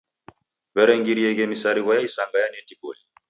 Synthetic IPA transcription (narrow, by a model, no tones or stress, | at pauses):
βɛɾɛŋɡiɾiɛɣɛmisaɾiβajaisaŋɡajanɛtibɔ̰li